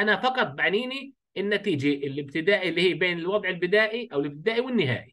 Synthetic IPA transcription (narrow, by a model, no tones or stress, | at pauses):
ʔanafɑqɑt̪̚ˤbaʕniːni | ʔɪnːat̪iːd͡ʒaʔɪlɪb̚t̪ɪd̪aːʔlːiːhiːbeːnɪlwɑd̪ˤʕɪlbɪd̪aːʔiʔawɪlɪb̚t̪ɪd̪aːʔiwɪnːɪɦa̰ːʔi